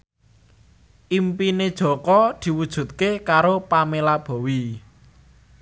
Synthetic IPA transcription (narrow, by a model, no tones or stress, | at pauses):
ʔimpined̥ʒ̥ɔ̤kɔd̪̥i̤wud̥ʒ̥ṳt̪̚kekaɾopamelab̥ɔ̤wi